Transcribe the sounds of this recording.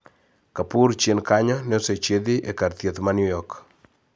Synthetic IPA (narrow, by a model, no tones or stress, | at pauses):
kapuɾt͡ʃenkaɲɔnoset͡ʃeðiʔekaɾt̪jet̪manjujɔk